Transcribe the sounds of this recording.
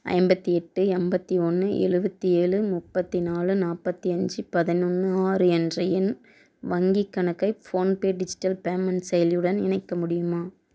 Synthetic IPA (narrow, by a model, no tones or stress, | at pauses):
ɐ̰ɪmbɐt̪ːiɛʈːɯɛmbɐt̪ːiɔnːɯʔɛ̰ɻɯbɐt̪ːieːɻɯmʊpːɐt̪ːinaːɭɯnaːpːɐt̪ːiɐɲd͡ʒɯpɐðɪnʊnːɯaːɾɯɛndrɐjɪn | ʋɐŋɡikːɐɳɐkːɐɪfoːnpeːɖɪd͡ʒɪ̥ʈːɐlpeːmɐnsɛjɐlɯɽɐnɪ̰nɐɪkːɐmʊɽɪjɯmaː